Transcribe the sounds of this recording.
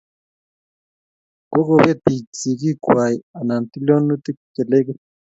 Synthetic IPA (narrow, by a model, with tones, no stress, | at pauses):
ko˦ko˨bje˦t̪i˨t͡si˨ki˦kwa˨i˨a˨na˨nt̪i˦lo˦nu˦t̪i˦kɛ˨le˦ki˦